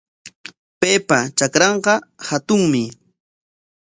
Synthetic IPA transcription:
peːpat͡ʃakɾɑɴqɑhat̪ʊŋmɪ

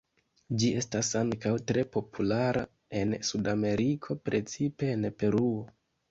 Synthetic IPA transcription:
d͡ʒie̞stasaŋkawtɾe̞po̞pʰulaɾa̰ | e̞nsudame̞ɾikʰo̞pɾe̞t͡sipe̞ːnpe̞ɾuo̞

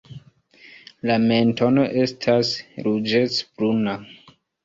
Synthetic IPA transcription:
lame̞nto̞no̞ʔe̞stʰasɾud͡ʒet͡sbɾuna

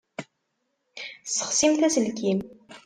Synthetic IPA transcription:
sːə̥χsimθæsəlkim

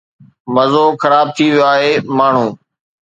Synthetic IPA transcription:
məzoːxəɾaːb̚t̪ʰiːʋɪjoaːɦeːmaːɳ̤ũː

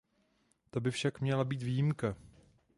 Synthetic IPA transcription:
t̪o̞bɪfʃakmɲɛlabiːt̪viːjimka

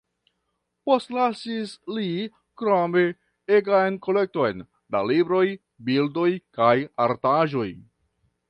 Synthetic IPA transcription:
po̞stlasisli | kɾome | eɡajnko̞le̞k̚to̞jn | da̰libɾo̞j | bildo̞jkajaɾtaʒo̞j

